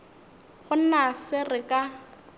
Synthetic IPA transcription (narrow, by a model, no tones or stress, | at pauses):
χʊn̩nasɪrɪkʼa